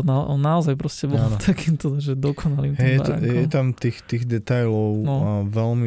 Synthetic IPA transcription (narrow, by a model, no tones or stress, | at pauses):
naʔɔnːaɔzajpɾɔscɛbɔant̪ʰakiːmt̪ɔd̪aʒɛd̪ɔkʰɔnaliːmtɦɛɛt̪jɛt̪amt̪iːxt̪iːɣd̪ɛt̪ajlɔʊnɔʋɛlmi